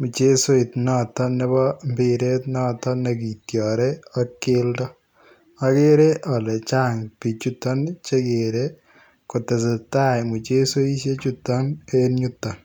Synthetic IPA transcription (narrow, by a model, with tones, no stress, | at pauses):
mu˨t͡ʃe˦so˦i˨tnɔ˦tɔ˦nɪ˦bɔ˦mbɪ˨ɾe˦tnɔ˦tɔ˦ne˨ki˨tjɔ˨ɾe˦ɔ˦kɪ˦ldɔ˦ | a˦ke˦ɾe˦ʔɔ˨lɛ˨t͡ʃa˦ŋpi˨t͡ʃu˦tɔ˦nt͡ʃe˦ke˨ɾe˦ | ko˨tɛ˨se˨ta˦jmu˨t͡ʃe˦so˦i˦ʃe˦t͡ʃu˦tːɔ˦ne˦nɲu˦tːɔ˨n